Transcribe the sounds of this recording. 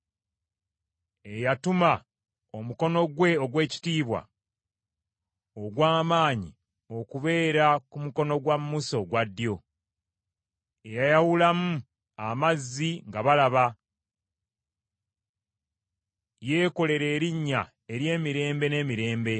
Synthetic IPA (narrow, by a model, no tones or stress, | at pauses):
e̞jatuma | o̞muko̞no̞ɡwe̞oɡwe̞ːci̥tiːβwa̰ | oɡwaːmaːɲi | o̞kuβe̞ːɾakumuko̞no̞ɡwamːuso̞ɡwadːjo̞ | ejajawulamu | amazːiŋɡaβalaβa | je̞ːko̞le̞ɾe̞ːɾiɲːa | e̞ɾje̞ːmiɾe̞ːmbe̞ne̞ːmiɾe̞ːmbe̞